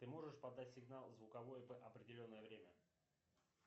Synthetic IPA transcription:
t̪ɨmo̞ʐɨʂpɐd̪ːatʲsʲɪɡnalˠzvʊkɐvo̞jvəʔɐpɾʲɪdʲɪlʲo̞nːəjəvɾʲemʲə

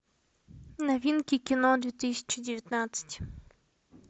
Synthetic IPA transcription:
navʲinkʲikʲinɔd̪vʲɛt̪ɨsʲḁt͡ʃɨd͡ʑʲɪvʲɛt̪nat̪sɨ̥t͡ɕʲ

